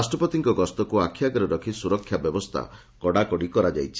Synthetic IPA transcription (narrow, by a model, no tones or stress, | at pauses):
sʈɾɔpɔt̪iŋkɔɡɔst̪ɔkuakʰːjaɡɔɾɔɾɔkʰisuɾɔkʰːjabjɔbɔst̪ʰa̰ | kɔɽakɔɽikɔɾad͡ʒajt͡ʃʰi